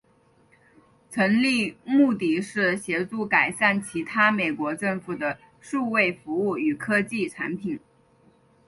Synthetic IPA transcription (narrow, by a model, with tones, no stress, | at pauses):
t͡sʰɤ˧˥ŋli˥˧mu˥˧t̪i˥˩ʂɻ̩˥˩ɕjɛ˧˥ʈ͡ʂu˥˩ka˨˩ɪʂa˥˩nt͡ɕʰi˧˥t̪ʰa˥me˨˩ɪkwɔ˧˥ʈ͡ʂɤ˥˩ŋfu˨˩d̪ə˦ | ʂu˥˧we˥˩ɪfu˧˥u˥˩y˨˩kʰɤ˥t͡ɕi˥˩ʈ͡ʂʰa̰˧˥npʰi˨˩˦n